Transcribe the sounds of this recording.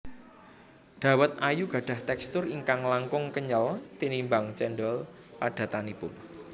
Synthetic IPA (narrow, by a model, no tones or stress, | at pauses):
ɖ̥ä̤wət̪̚ajuɡ̥a̤ɖ̥a̤ht̪ɛkst̪ʊriŋkaŋlaŋkʊŋkəɲəlt̪inimbaŋt͡ʃɛnɖɔl | paɖ̥ä̤t̪anipʊn